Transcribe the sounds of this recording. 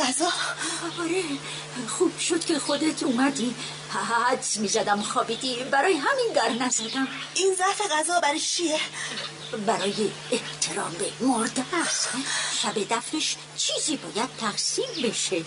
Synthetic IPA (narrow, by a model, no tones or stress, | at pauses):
æzɒːɒɾe | xuːb̥ʃod̪̥kʰe̞xod̪et̪ʰumæd̪i | æd̪smiːzæd̪æmxɒːbid̪ibæɾɒːjeɦæmind̪æɾnæzæd̪æminzæfeɣæzɒːbæɾet͡ʃʰie | bæɾɒːjeːht̪ʰe̞ɾɒːmbemoɾd̪æsvæbe̞d̪æfneʃ | t͡ʃʰiːziːbɒːjæd̪̥̚t̪ʰæɡsiːmbe̞ʃe